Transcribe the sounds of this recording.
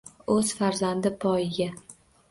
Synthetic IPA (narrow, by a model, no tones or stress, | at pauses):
ɵz̥faɾzand̪ɪpʰɒjɪɡʲa